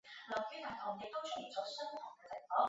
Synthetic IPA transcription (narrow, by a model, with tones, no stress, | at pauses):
lɐ˨˩wkyː˥t̪ʰaː˨˩t̪ʰɔ˨˩ŋjɪ˨k̚t̪o˥wt͡ʃʰɵ˥t̚ji˨˩t͡sɔː˨˧sɵ˥nt̪ʰʊ˨˩ŋkɛː˧t͡sɛ˨˩ŋfɔː˨˥ŋ